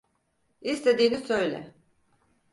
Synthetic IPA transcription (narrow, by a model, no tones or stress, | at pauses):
ist̪ʰe̞d̪iːnisø̞jlʲɛ̰